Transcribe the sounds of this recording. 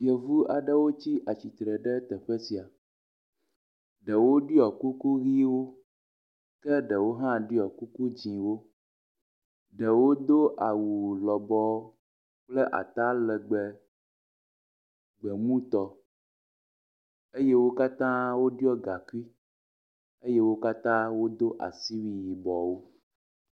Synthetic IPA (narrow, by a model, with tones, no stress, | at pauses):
jɛ˨vu˦a˨ɖɛ˦wo˦t͡ɕi˦ʔa˨t͡ɕi˨t̪ɾɛ˨ɖɛ˦t̪ɛ˨ɸɛ˦si˨a˨ | ɖɛ˨wo˦ɖi˦ɔ˨ku˦ku˦ɣi˦wo˦ | kɛ˦ɖɛ˨wo˦ɦã˦ɖi˦ɔ˨ku˦ku˦d͡ʑĩ˨wo˦ | ɖɛ˨wo˦d̪o˦ʔa˨wu˨lɔ˨bɔ˦ | k͡plɛ˦ʔa̰˨t̪a˦lɛ˨ɡ͡bɛ˨ | ɡ͡bɛ˨mũ˦t̪ɔ˨ | e˦je˦wo˦ka˦t̪ã˦wo˦ɖi˦ɔ˦ɡa˨ku˦i˦ | e˦je˦wo˦ka˦t̪ã˦wo˦d̪o˦ʔa̰˨si˦wi˨ji˨bɔ˨wo˦